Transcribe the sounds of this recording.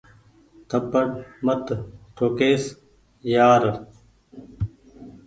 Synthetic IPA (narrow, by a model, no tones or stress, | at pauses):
t̪ʰɐpːəɽmɐt̪ʈʰoːkeːs | jaːɾ